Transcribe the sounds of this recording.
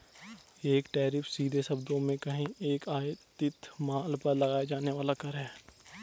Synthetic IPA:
eːkʈɛːɾɪpʰsiːd̪ʱesɐbd̪õmẽkɐɦĩeːkaːt̪ɪt̪maːlpɐɾlɐɡaːjed͡ʒaːneʋaːlakɐɾɦɛː

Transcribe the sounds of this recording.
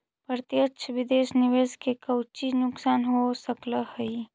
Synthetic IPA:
pəɾt̪jəkʃʰʋɪd̪eːʃnɪʋeːzkekɐwt͡ʃinʊksaːnɦosəkləhɐi

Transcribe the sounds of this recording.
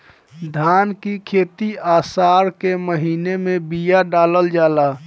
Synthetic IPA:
d̪ʱankikʰet̪iasaɾkeməɦinemebijaɖaləld͡ʒala

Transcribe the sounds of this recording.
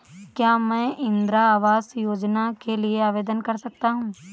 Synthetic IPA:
kjaːmɛ̃ːʔɪ̃nd̪ɾaaːʋaːzjoːd͡ʒnakelieaːʋeːd̪ənkɐɾsɐk̚t̪aɦũː

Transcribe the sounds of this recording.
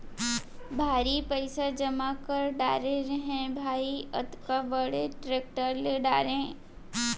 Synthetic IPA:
bʱaːɾipəɪsad͡ʒɐmakəɾɖa̰ːɾeɾəɦẽbʱaːiɐt̪kaʋəɽeʈɾeːk̚ʈəɾleɖaːɾẽ

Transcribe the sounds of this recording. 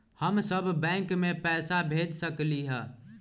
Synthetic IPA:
həmsəbʱːɛ̃kmepɛːsabʱed͡ʒsəkliɦɛ̃

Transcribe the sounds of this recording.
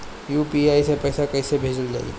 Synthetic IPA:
juːpiaːisepɛːsakɐɪsebʱeːd͡ʒəld͡ʒa̰ːḭ

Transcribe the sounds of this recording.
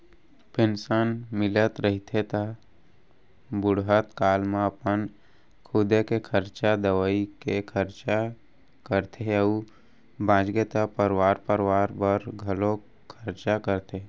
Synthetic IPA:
pɪnsənmɪlət̪ɾəɦit̪ʰet̪a | bʊɽɦət̪kaːlmẽəpən | kʰʊd̪ekekʰəɾt͡ʃad̪əʋaikekʰəɾt͡ʃa | kəɾt̪ʰeɦəu | bãːd͡ʒɡet̪apəɾwaːɾpəɾwaːɾbəɾɡʱəlo | kʰəɾt͡ʃakəɾt̪e

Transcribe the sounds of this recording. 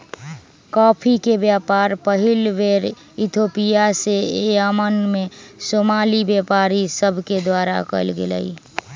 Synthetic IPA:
kɔːpʰikebjapaɾpəɦilʋeɾ | it̪ʰopijaseeamənmesomalibjapaɾisəbʱked̪waɾa̰kə̰ɪlɡelə̰i

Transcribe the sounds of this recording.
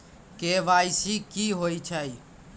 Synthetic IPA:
keːʋaːisiːkiːɦoːiːt͡ʃʰaːiː

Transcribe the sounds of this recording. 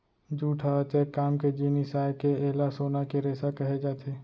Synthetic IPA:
d͡ʒuːʈʰat̪eːkaːmked͡ʒiːnisaːekeeːlasoːnakeɾeːsakɐɦed͡ʒaːt̪ʰeː

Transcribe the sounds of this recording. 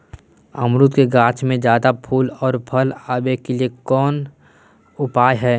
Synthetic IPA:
əmɾʊt̪keɡãːt͡ʃmẽd͡ʒjaːd̪apʰuːlɔːɾpʰɐlaːbekeliekɔːn | ʊpaːjɦɛː

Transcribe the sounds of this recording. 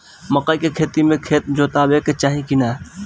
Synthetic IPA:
məqaːkekʰeːt̪imẽkʰeːt̪̚d͡ʒoːt̪aːbeːket͡ʃaːɦĩkinaː

